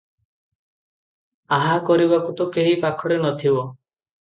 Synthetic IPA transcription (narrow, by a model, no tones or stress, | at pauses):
aɦakɔɾiβakut̪ɔkeɦipakʰɔɽenɔt̪ʰibɔ